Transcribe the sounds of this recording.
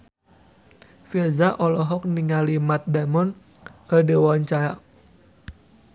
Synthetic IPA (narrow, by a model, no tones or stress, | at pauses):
firzaʔɔlɔɦɔk̚niŋalimat̪̚damɔnkədəwɔɲt͡ʃaɾa